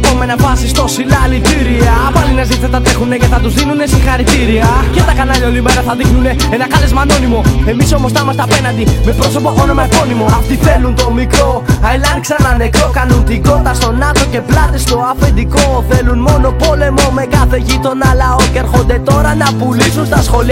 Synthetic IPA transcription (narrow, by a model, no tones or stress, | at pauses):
pomenɐfɐsist̪o̞silɐlit̪iɾiɐpɐlinɐzit̪isɐt̪ɐt̪ɾexune̞ceθɐt̪uzðinune̞siŋxɐɾit̪iɾiɐce̞t̪ɐkɐnɐʎɐolimeɾɐθɐðixnune̞enɐkɐle̞zmɐno̞nimo̞e̞miso̞mo̞st̪ɐmɐst̪eɐpenɐnd̪ime̞pɾo̞so̞poxonomɐko̞nimo̞ɐft̪iθe̞lunt̪o̞mikɾo̞ɐilɐnksɐnɐne̞kɾo̞kɐnunt̪iɡo̞nd̪ɐst̪o̞nɐt̪o̞ce̞plɐt̪e̞st̪o̞ɐfe̞nd̪iko̞θe̞lunmo̞no̞po̞le̞mo̞me̞kɐθe̞ʝit̪o̞nɐlɐo̞ceɾxo̞nd̪e̞t̪o̞ɾɐnɐpulisunst̪ɐsxo̞li